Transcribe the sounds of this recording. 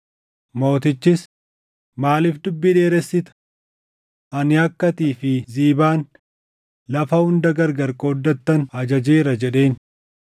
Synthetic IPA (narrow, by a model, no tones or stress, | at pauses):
mo̞ːt̪ɪt͡ʃːɪs | maːlɪfd̪ʊbːɪᶑe̞ːɾɛsːɪt̪ʊ̥ | ʔɐnɪɐkːɐt̪iːfɪziːbaːn | lɐfɐhʊnd̪ɐɡɐɾɡɐɾkʼoːd̪ːɐt̪ːɐnɐd͡ʒɐd͡ʒeːɾɐd͡ʒɛᶑe̞ːn